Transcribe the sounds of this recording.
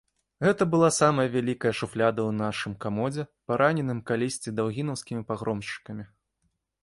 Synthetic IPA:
ɣɛt̪ɐbɨlˠasamɐjɐvʲalʲikɐjɐʂuflʲad̪ɐwnaʂɨmkamɔd͡zʲɛpaɾʔanʲɛnɨmkalʲisʲt͡sʲid̪awɣʲinɐwskʲimʲipaɣɾɔmʂt͡ʂɨ̥kɐmʲi

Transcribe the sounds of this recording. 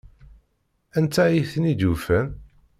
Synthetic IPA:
ænt̪ːæjiθənid̪ufæn

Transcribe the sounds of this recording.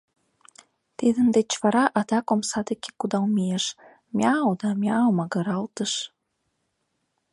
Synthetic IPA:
t̪id̪ə̆nd̪et͡ɕvɑɾɑʔɑt̪ɑkomsɑd̪eke̥kud̪ɑwmejeʃ | mʲjɑwd̪ɑmʲjɑwmɑɡəɾɑlt̪əʃ

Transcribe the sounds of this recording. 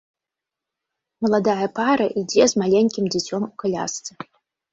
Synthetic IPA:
məlˠad̪ajɐpʰaɾɐʔidʲezmalʲeŋʲkʲimdʲet͡sʲomukʰalʲa̰st͡sɐ

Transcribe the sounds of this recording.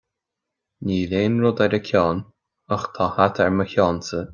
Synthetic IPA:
niːlʲeːnɹʊd̪aɾəkʰɔːn | əxt̪ʰahat̪ʰɛɹməçjɔːntə

